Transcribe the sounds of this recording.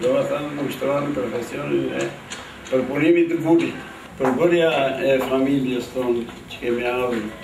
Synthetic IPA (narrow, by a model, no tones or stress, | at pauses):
d̪ɔaθanməʃt̪ɾɔanipɾɔfɛsiɔniðɛ | pəɾpunimit̪əbuɾi | pəɾbəɾjaɛfamiljɛsθɔnt͡ʃə̥kɛmialu